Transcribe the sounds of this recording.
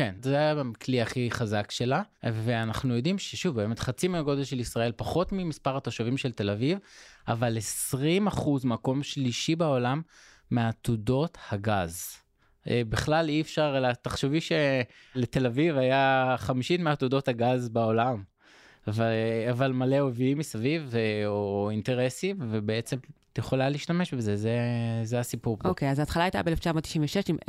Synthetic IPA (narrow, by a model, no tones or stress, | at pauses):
kenzeajjamkliaχiχazakʃe̞laveanaχnujo̞d̪imʃeʃuvbe̞ːme̞t̪χat͡simeaɡo̞d̪e̞lʃelisʁae̞lpaχo̞t̪mimispaʁat̪oʃavimʃelte̞lavivavale̞sʁimaχuzmako̞mʃliʃibeo̞lamː | eat̪udo̞thaɡaz | ebiχlaliefʃaʁlat̪aχʃuviʃe | lete̞lavivajaχamiʃitmeatudo̞thaɡazbao̞lam | avaavalmaleoviimisaviveointe̞ʁesimvebeet͡se̞mt̪jeχo̞laliːʃtame̞ʃbeze̞zezeasipuʁpokejazaːt̪χalajtabeeleft͡ʃamot̪ːi̥ʃinveʃeʃim